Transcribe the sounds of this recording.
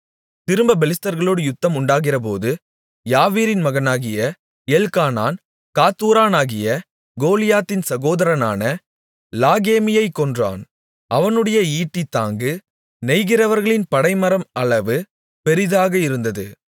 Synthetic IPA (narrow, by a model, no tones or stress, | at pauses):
t̪ɪɾɯmbɐbɛlɪstɐɾɣɐɭoːɽɯjʊt̪ːɐmʊɳɖaːɣɪrɐp̬o̰ːðɯ | jaːʋiːɾɪnmɐɣɐnaːɣɪjɐ | elkaːna̰ːn | kaːt̪ːuːɾaːnaːɣɪjɐ | ɡoːlɪjaːt̪ːɪnsɐɣoːðɐɾɐna̰ːnɐ | laːɣeːmɪjɐɪkːɔndra̰ːn | ʔɐʋɐnɯɽɐjɐiːʈːɪt̪ːaːŋɡɯ | nɛɪɣɪrɐʋɐɾɣɐɭɪnpɐɽɐɪmɐɾɐmɐɭɐʋɯ | pɛɾɪðaːɣɐɪɾɯnd̪ɐðɯ